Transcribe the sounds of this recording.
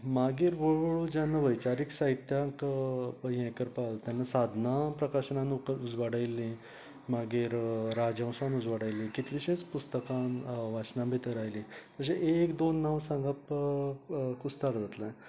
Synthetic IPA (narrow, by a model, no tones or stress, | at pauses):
maɡiːɾʋəɭɭəɭud͡ʑanːaʋəjt͡ɕaɾiksaɦit̪jakpəɦiɛ̃kəɾpalt̪janːasad̪ʱnapɾəkaɕnanuud͡zʋaɽajlːĩ | maɡiːɾɾad͡ʑə̃w̃sʋanud͡zʋaɽajlːĩkit̪liɕẽt͡spust̪əkãnʋat͡ɕnãmbʱit̪əɾajlĩt̪əɕeʔekd̪onːawsãŋɡap | kust̪aɾd͡zat̪lã